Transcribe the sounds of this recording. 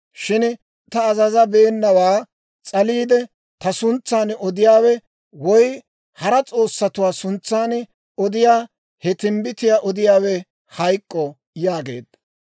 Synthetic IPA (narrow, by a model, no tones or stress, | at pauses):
ʃɪn | t̪ɐːzɐzɐbeːnːɐwaː | t͡sʼɐliːd̪ɛ | t̪ɐsʊnt͡sːaːnɔd̪ɪjaːwɛ | wɔj | hɐɾɐt͡sʼo̞ːsːɐt̪ʊwaːsʊnt͡sːaːn | ɔd̪ɪjaː | hɛt̪ɪmbɪt̪ɪjaːʔɔd̪ɪjaːwɛ | hɐjkʼːɔ | jaːɡe̞̰ːd̪ɐ